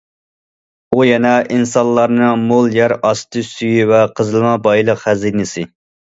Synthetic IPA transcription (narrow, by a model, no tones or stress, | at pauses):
ujɛnɛʔinsɑnlˠːɑɾnɨmolˠjɛɾɑst̪ɨsyjivɛqʰəzɨlˠmɑbɑjlˠəqhɛzinɪsɪ